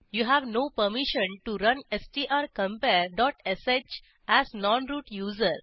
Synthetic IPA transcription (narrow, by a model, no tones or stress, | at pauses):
juːɦæʋnoːpəɾmiʃə̃nʈuɾʌ̃nesʈiʔaɾkə̃mpeɾɖɔːʈeset͡ʃ | æznɔ̃nɾuːʈjuːzəɾ